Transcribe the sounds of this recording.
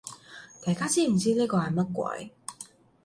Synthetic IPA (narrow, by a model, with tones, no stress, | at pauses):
t̪aː˨˩jkaː˥t͡siː˥m̩˨˩t͡siː˥niː˥kɔː˧ha˨˩mɐ˥t̚kʷɐ̰˧˥j